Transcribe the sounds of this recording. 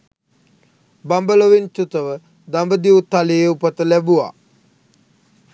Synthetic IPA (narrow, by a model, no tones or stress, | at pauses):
bambəloʋint͡ʃut̪əʋə | d̪ambəd̪iut̪aleːupət̪əlæbua̰